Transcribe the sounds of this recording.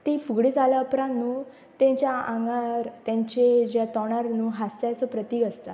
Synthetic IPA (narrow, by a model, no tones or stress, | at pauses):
t̪ifuɡɽid͡zalaəpɾãnːuː | t̪ẽɲt͡ɕjaã̰ŋɡaɾt̪jãɲt͡ɕed͡ʑjat̪ɔɽ̃aɾnuːɦast̪asopɾət̪iːɡəst̪a